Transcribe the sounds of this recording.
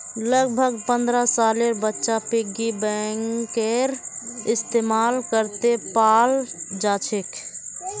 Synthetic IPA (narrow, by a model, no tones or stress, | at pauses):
ləɡbʱəɡpə̃nd̪ɾasaleɾbətːʃapiɡibɛŋkeɾɪst̪emalkəɾt̪epald͡ʒat͡ʃʰek